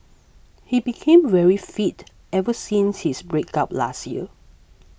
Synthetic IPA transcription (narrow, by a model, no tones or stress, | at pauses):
hibikʰẽmvɛɹifit | ɛvəsĩnshisbɹekap̚la̰sjiə